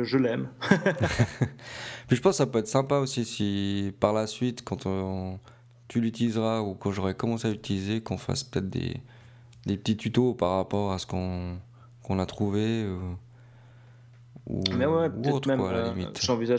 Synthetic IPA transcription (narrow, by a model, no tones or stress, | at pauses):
ʒəlɛm | piʒəpɑ̃ssapøɛt̪χəsɛ̃paosisipaʁlasɥit̪kɑ̃t̪ʰɔ̃ | t̪ylyt̪ilizʁaukɑ̃ʒɔʁɛkɔmɑ̃seayt̪ilizekɔ̃fa̰spə̥t̪ɛt̪χd̪ḛ | d̪epət̪it̪yt̪opaʁapɔʁasə̥kɔ̃ | kɔ̃nat̪χuveu | ṵmɛwɛpəuɛot̪χɛwala̰limiʒɑ̃viza